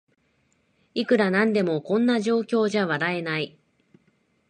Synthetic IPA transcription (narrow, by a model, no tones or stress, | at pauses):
ikɯ̟ɾanãnd̪e̞mo̞kõ̞nːaʑo̞ːkʲo̞ːʑaβaɾae̞nai